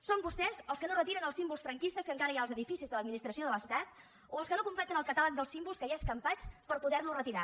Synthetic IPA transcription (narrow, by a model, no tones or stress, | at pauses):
sombust̪ɛzəlˠskənorət̪iɾənəlˠsimbulˠsfɾəŋkist̪əskəŋkaɾəjaəlˠzəðifisizðələd̪minist̪ɾəsioðələst̪at̪̚ | oəlskənokumplɛt̪ənəlˠkət̪alak̚d̪əlˠsimbulˠskəaskəmpat͡spəɾpuðɛɾnurət̪iɾa̰